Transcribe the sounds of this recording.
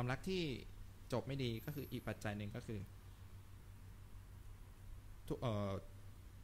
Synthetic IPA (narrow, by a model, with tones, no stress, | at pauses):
aː˧mla˦˥k̚t̪ʰiː˥˩ | t͡ɕo˨˩p̚ma˥˩jdiː˧kɔː˥˩kʰɯː˧ʔiː˨˩k̚pa˨˩t̪̚t͡ɕa˧jnɯ˨˧ŋkɔː˥˩kʰɯː˧ | t̪ʰʔɤː˨˩